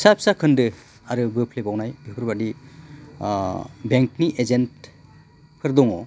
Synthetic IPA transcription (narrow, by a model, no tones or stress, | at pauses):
sap̚sakʰɯndɯ | aɾɯbɯpʰlebawnajbipʰɯɾbadi | beŋkniʔezent | kʰɯɾd̪ɔŋɔ